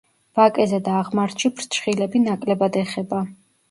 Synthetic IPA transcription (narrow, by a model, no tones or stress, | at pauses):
b̥akʼɛzɛd̪aːʁmaɾt͡ʃʰipʰɾt͡ʃʰχilɛbinakʼlɛbad̪ɛχɛba